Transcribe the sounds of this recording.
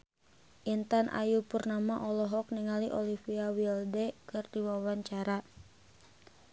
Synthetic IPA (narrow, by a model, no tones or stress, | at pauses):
ʔint̪anʔa̰jupurnamaʔɔlɔɦɔk̚niŋaliʔɔlifiawildɛkɨrdiwawaɲt͡ʃaɾa